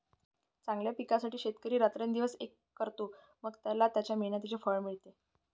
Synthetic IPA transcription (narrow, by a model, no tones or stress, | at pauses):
t͡sãŋɡljapikasaʈiːɕet̪kəɾiːɾat̪ɾend̪iʋəsekːəɾt̪o | məɡt̪jalat̪jat͡ɕjamiɭɳjət̪̬it͡ɕefəɭmiɭt̪e